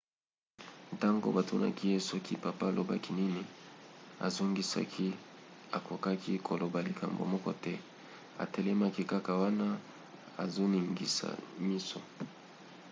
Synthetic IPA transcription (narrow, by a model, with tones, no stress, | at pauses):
ta˦ŋɡo̰˦ba˨to˦na̰˦ki˦je˦sɔ˦ki˦pa˨pa˦˨lo˨ba̰˦ki˦ni˦ni˨ | a̰˨zo˦ŋɡi˦sa̰˦kʰi˦ | a˨ko˨ka˦ki˦kʰo˨lo˨ba˨li˨ka̰˨mbo̰˨mɔ˦kɔ˦tɛ˦ | a̰˨te˦le˦ma˦ki˦ka˦ka˨wa˦na˦ | a̰˨zo˦ni˨ŋɡḭ˨sa̰˨mi˦so̰˨